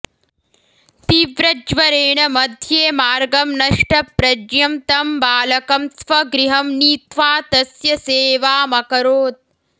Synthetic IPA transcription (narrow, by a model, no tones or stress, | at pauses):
t̪iːʋɾɐd͡ʒʋɐɾeːɳɐmɐd̪ʱjeːmaːɾɡɐmnɐʂʈɐpɾɐd͡ʒjɐmt̪ɐmbaːlɐkɐmsʋɐɡɾiɦɐmniːt̪ʋaːt̪ɐsjɐseːʋaːmɐkɐɾoːt̪̚